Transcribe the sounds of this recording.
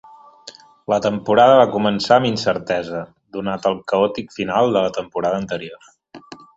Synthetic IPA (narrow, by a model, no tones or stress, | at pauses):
lət̪əmpuɾaðəβakumənsaəminsəɾt̪ɛzə | d̪unat̪əlˠkəɔt̪ikfinalˠd̪ələt̪əmpuɾað̞əːnt̪əɾior